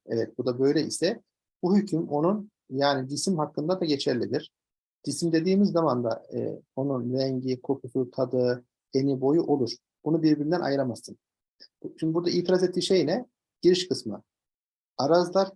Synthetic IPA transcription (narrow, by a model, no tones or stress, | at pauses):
ɛ̰vɛt̪̚bud̪abø̞jlʲɛʔisɛ | b̥uhycʰymo̞nun | jaːnid̪isimhakːɯnd̪ad̪aɟe̞t͡ʃʰæɾlʲid̪ʲiɾ̥ | d̪̥isimd̪e̞d̪iːmizːamand̪a̰o̞nunɾɛɲɟikʰo̞kʰusut̪ʰad̪ɯ | enibo̞juʔo̞lˠuɾ̥ | bunubiɾbiɾind̪ænʔa̰jɯɾamasɯn | t͡ʃʰynd̪ibuɾd̪aiːt̪ʰiɾazet̪ːiːʃe̞jnɛ | ɟ̥iɾiʃkʰɯsma̰ | aɾazlˠaɾ